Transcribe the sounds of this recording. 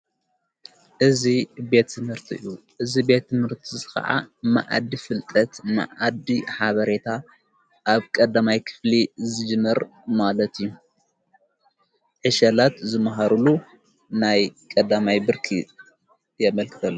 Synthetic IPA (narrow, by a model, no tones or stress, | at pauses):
ʔɨzibe̞t̪ːɨmhɨɾt̪ʰiɨju | ʔɨzibe̞t̪ːɨmhɨɾt̪ʰizɨkɐ̰ʕa̰ma̰ʔa̰d̪ːifɨlt̪ʼɐt̪ma̰ʔad̪iħaβɐɾe̞t̪ʰa | ʔaβkʼɐd̪ːamajkʰɨ̥flizɨd͡ʒɨmːɐɾmalɐt̪ijːu | ʕɨʃɐlat̪zɨmɐɦaɾulu | najkʼɐd̪amajbɨɾkʰi | jɛmɐlkʰɨ̥t̪ʰɐlːo